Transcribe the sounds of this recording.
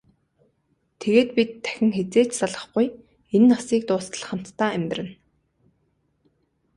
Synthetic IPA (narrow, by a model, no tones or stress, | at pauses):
t̪ʰeɣeːt̪̚pit̪ʰːæ̥xʲɪ̆ŋxet͡seːt͡ɕsaɮə̆χɡuj | enːɔsiːk̚t̪ʊːsə̆ɮχə̆m̥t̪ːaːæmʲt̪rɘ̆n